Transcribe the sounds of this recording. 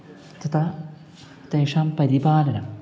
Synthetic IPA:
t̪it̪ɐ | t̪eːʂaːmpɐɾibaːlɐnɐm

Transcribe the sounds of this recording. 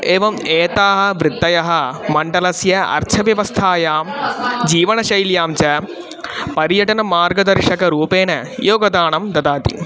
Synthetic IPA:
eːʋɐmeːt̪aːɦɐ̆ʋɾɨd̪ːɐjɐɦɐ̆mɐɳɖɐlɐsjɐɐ̰ɾt͡ʃʰɐʋjɐʋɐst̪ʰaːjaːmd͡ʑiːʋɐɳɐʃɐjljaːmt͡ɕɐ | pɐɾjɐʈɐnɐmaːɾɡɐd̪ɐɾʂɐkɐɾuːpeːnɐjoːɡɐd̪aːɳɐmd̪ɐd̪aːt̪ḭ

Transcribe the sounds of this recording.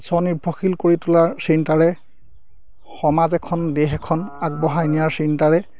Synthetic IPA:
sɔnibʱɔxilkoɹitʊlaɹsintaɹɛ | xɔmazɛkʰɔndɛɦɛkʰɔnaɡ̚bɔɦajnijaɹsintaɹɛ

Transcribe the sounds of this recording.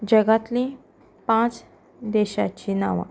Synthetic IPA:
d͡ʑəɡat̪lĩ | pãt͡s | d̪eɕa̰t͡ɕina̰ʋã̰

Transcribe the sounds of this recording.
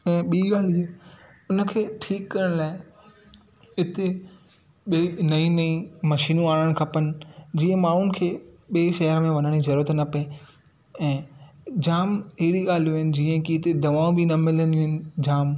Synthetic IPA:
ɛ̃ːɓiːɡaːl̤ieː | ʊnə̆kʰeːʈʰiːkːɐɾəɽ̃laːɪ | ɪt̪e | ɓenɐĩnɐĩmɐʃiːnũaːɽəɽ̃kʰɐpənɪ̆d͡ʑiːə̃maːɳ̤ʊnɪ̆kʰeːɓeːʃɐɦəɾmẽʋɐnəɽ̃izɐɾuːɾət̪nɐpɐẽ | ɛ̃ːd͡ʑaːmɦeɽiɠaːl̤ijũɦɪnɪ̆d͡ʑiːə̃kiːt̪ed̪ɐʋaːũbɪnɐmɪlənuɦɪnɪ̆d͡ʑaːm

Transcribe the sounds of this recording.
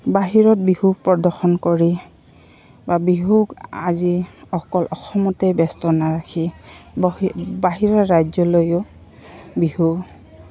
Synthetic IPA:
baɦiɹɔt̚bihuɡ̚pɹɔdɔɹxɔnkoɹi | babiɦuɡa̰ziɔkɔlʔɔxɔmɔtejbɛstɔnaɹakʰi | baɦiɹɔɹajd͡ʒzɔlojʊ | bihu

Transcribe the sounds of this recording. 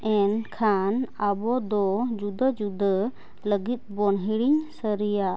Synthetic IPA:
ʔɛnkʰanabɔd̪ɔd͡ʒud̪əd͡ʒud̪ʱə | ləɡit̪̚ˀbɔnɦiɽiɲsəɾija

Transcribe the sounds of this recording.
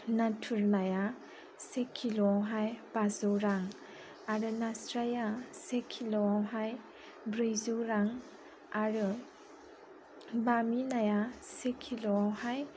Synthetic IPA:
natʰuɾnaja | sekʰiloawɦajb̥azɯɾaŋ | aɾɯnastɾajasekʰiloawɦaj | bɾɯjzuɾaŋ | aɾɯ | baminajasekʰiloawhaj

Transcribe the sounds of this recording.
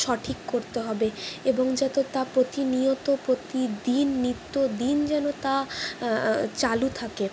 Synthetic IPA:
ʃɔʈʰikkoɾt̪eɦɔbeeboŋd͡ʑɛt̪ot̪apɾot̪iniot̪opɾot̪id̪inːit̪ːod̪ind͡ʑɛnot̪a | t͡ɕalut̪ʰake

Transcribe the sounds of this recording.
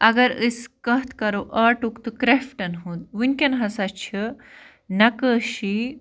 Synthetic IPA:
ɐɡɐɾəskɐɦt̪kɐɾoʔɐːʈukt̪ɨkɾefʈɐnɦud̪̚ʋinkʲɐnɦɐsɐt͡ʃʰi | nɐkəɕi

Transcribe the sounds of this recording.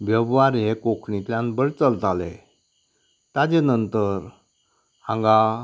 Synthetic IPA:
bjəbʋaɾekokʰɳit̪ljãnbəɾt͡səlt̪alḛ | t̪ad͡ʑenənt̪əɾ | hãŋɡa

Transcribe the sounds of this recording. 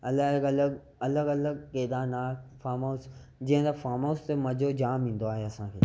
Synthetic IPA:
ɐləɡələɡ | ɐləɡɐləɡkeːd̪aːnaːkfaːmoːsd͡ʑɪɦə̃d̪afaːmoːst̪emɐ̃d͡ʒʱod͡ʑaːmĩːnd̪oaːɦeɐsãːkʰḛː

